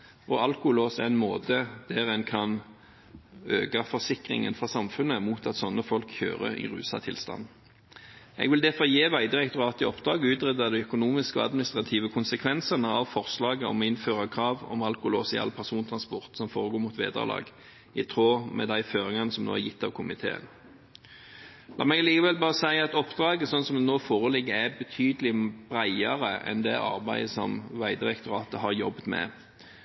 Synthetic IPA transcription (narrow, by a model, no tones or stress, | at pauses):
ɔɑlkʊʊloːsɛɛnmoːd̪əd̪̥æʁɛnkʰɑn | øːɡɑfɔʁsɪkʁɪ̰ŋə̰nfʁɑsɑmfʉnːəmuːt̪ɑt̪sɔnːəfɔlkçø̰ːʁə̰ɪ̰ʁʉ̰ːsɑ̰t̪ʰɪ̰lst̪ɑ̰nː | ɛ̰ɡʋɪld̪ɛfɔjeːʋæɪd̪ɪʁɛkt̪ʊʁɑːt̪ɪɔpd̪ʁɑːɡəʉːt̪ʁɛd̪ɑd̪ɛœkʊnuːmɪskɔɑd̪mɪnɪst̪ʁɑt̪ʰiːʋəkʰʊnsəkʰʋɛnsənəɑʋfɔʁslɑːɡəɔ̰mɔɪnføːʁɑkʰɾɑːʋɔ̰mɑlkʊlɔsɪɑ̰ːlpʰæʁsuːnt̪ʰʁɑnspɔʁt̪sɔmfoːʁəɡoːɾmut̪ʋḛːd̪ə̰lɑ̰ːɡ | ɪt̪ʰʁoːmɛ̰d̪æɪføːɾɪŋɑnəsɔmno̰ːæɾjɪt̪ʰːɑʋkʰʊmɪt̪ʰḛːə̰n | lɑ̰ːmɛɡɑliːkəʋɛlbɑːʁəsæɪɑt̪ɔpd̪ʁɑːɡəsɔnsɔmd̪ɛnoːfoːʁəlɪɡːəæbət̪ʰyːd̪əlɪb̥ɾæɪɑɾəɛ̰nd̪ɛɑ̰ɾbæɪəsɔmʋæɪd̪ɪɾɛkt̪ʊɾɑːt̪əhɑɾjɔb̪mɛ̰